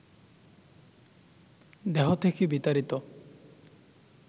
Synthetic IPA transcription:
d̪eɦɔt̪ʰekʰibit̪aɾit̪ɔ

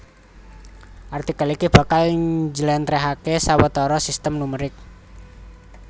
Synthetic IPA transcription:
ʔart̪ikalikib̥ä̤kalid͡ʒəlɛnt̪ɾeɦakesawət̪ɔɾɔsist̪əmnuməɾɪk̚

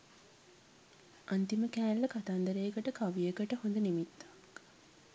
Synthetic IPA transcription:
ʔɐnt̪iməkæːnlɐkat̪and̪ɐɾejəkəʈəkɐʋiekəʈəhund̪ənimit̪ːḁ

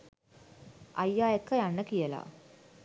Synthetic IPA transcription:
ʔajːaːekːəjanːəkijəla̰

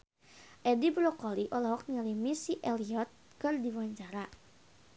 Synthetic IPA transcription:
ʔɛdibɾɔkɔliʔɔlɔɦɔk̚nilimisiʔɛliɔt̪̚ | kərdiwaɲt͡ʃaɾa

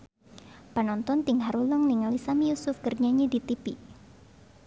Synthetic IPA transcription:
pənɔnt̪ɔnt̪iŋɦaɾulɔŋniŋalisamijusʊfɡərɲaɲidit̪ipi

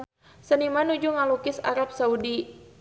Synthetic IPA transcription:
sənimanud͡ʒuŋalukɪsa̰ɾap̚saudi

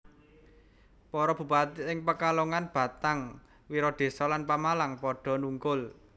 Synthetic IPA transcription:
pɔɾɔb̥ṳpat̪ɪŋpəkaloŋanb̥ä̤t̪aŋ | wiɾɔd̪̥e̤sɔlanpamalaŋpɔɖ̥ɔ̤nuŋkʊl

